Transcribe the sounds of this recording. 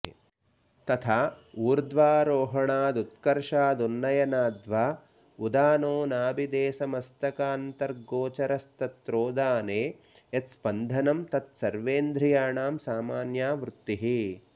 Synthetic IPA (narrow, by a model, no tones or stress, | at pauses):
t̪ɐt̪ʰaːuːɾd̪ʋaːɾoːɦɐɳaːd̪ut̪kɐɾʂaːd̪unːɐjɐnaːd̪ʋaː | ud̪aːnoːnaːbid̪eːsɐmɐst̪ɐkaːnt̪ɐɾɡoːt͡ʃɐɾɐst̪ɐt̪ːɾoːd̪aːneː | et̪spɐnd̪ʱɐnɐmt̪ɐt̪sɐɾʋeːnd̪ɾijaːɳaːmsaːmaːnjaːʋɾut̪ːiɦi